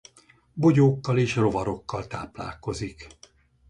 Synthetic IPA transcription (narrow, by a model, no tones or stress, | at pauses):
bo̞ɟoːkːɒleːʃro̞vɒɾo̞kːɒlt̪a̰ːpla̰ːlko̞zik